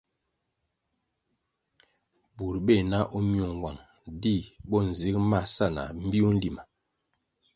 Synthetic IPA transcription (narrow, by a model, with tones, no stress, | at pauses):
bu˨ɾbe˦˨na˦ʔo˦mjo˨ŋ˨wa˨ŋ | di˦˨bɔ˦˨n̩˨zi˦kma˦˨sa˦˨na̰˨m̩˦bi˦o˦n̩˦li˨ma˨